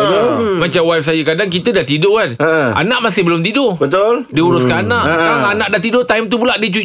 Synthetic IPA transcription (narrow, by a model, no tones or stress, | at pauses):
əomat͡ʃamwap̚s̬ajəkadaŋkit̪ədaʔt̪idʊkanəa̰nãʔmasɪhbəlʊmt̪idʊbət̪oldiuɾʊskananãʔkaŋanãʔdat̪idʊt̪ajmt̪upulaʔdit͡ʃu